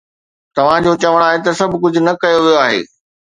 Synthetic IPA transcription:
t̪ɐʋ̤ãd͡ʑoːt͡ɕɐʋəɽ̃aːɦet̪̬ɐsɐbʱkʊd͡ʑʱʊnɐkɐjoʋijoaːɦḛː

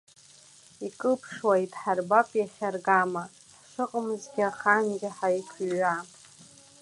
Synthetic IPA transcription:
ikʼɨpʰʂwajtʼħarbapʼjaχʲarɡama | ħʂʷɨqʼəmzɡʲɪaχanɡʲɪħajkʷʰɥa

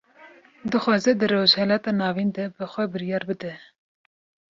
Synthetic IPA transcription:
d̪ɨxʷɑːzɛd̪ɨɾozhɛlɑt̪ɑːnɑːvind̪ɛbɨxʷɛbɨɾjɑːɾbɨd̪ɛ

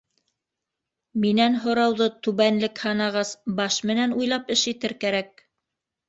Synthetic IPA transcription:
minænɦŏɾɑwðɤt̪ʉβænlɘkhɑnɑʁɑsbɑʃmɘ̆nænujlˠɑpɘʃit̪ɘɾkæɾæk̚

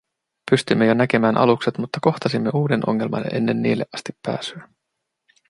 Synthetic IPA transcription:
pyst̪ymːejo̞næke̞mæːnʔɑ̰lukse̞t̪mut̪ːɑko̞xt̪ɑsimːeuːde̞nʔo̞̰ŋːe̞lmɑ̰neʔe̞̰nːe̞nːiːlːe̞ʔɑst̪ipːæ̰ːsyæ

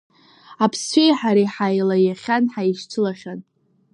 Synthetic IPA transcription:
apʰst͡ʃʷejħaɾiħajlajaχʲanħaiʃt͡ʃʰɨlaχʲan

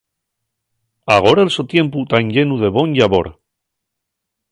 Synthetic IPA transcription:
aɣ̞o̞ɾaelsot̪jẽ̞mput̪anʎe̞nuðe̞βo̞nʎaβoɾ

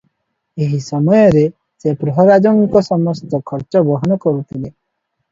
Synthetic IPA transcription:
eɦisɔmɔjɔɾe | sepɾɔɦɔɾad͡ʒɔŋkɔsɔmɔst̪ɔkʰɔɾt͡ʃɔbɔɦɔnɔkɔɾut̪ʰile

